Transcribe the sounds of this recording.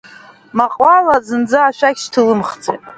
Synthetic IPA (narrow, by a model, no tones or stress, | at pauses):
maqʼwalad͡zɨnd͡zaːʃᶣaɡʲʃtʰɨlɨmχd͡zḛtʼ